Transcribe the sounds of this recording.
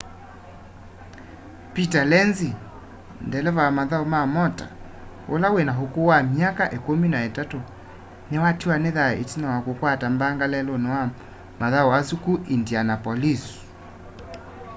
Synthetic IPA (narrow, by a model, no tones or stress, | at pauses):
pitalɛnzi | ndɛlɛvawamaðaumamɔta̰ | o̰lawenaɦokowamiakaʔekominaetato | newatiwaneðaḛtinawakokwatambaŋɡalɛlɔnewa | maðauwasukuʔindianapɔlis